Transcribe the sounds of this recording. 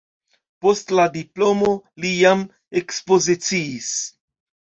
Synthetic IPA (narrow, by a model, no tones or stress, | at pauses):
postlad̪iplomolijam | ekspozit͡siːs